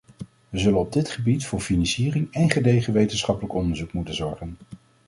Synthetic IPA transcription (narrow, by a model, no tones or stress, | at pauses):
ʋəzɵlənɔb̚dɪtχəbitfʊːɹfinɑnsiːrɪŋɛnχədejχəʋejtənsχɑpələkɔndəɹzukmutənzɔɹχən